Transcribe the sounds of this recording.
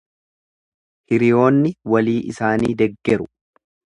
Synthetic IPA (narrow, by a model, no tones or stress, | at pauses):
hɪɾɪjo̞ːnːɪwɐliːʔɪsaːniːd̪ɛɡːɛɾʊ